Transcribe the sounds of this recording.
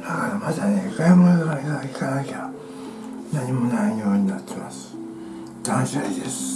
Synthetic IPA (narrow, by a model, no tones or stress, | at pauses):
d̪akaɾamat̪anekajimonoɡ̪akaikaaikanaikʲeɾa | naɲ̟imo̞naio̞ːɲ̟inat̪ʰːe̞masɨ̥ | d̪̥ãñɕiaid̪esɨ̥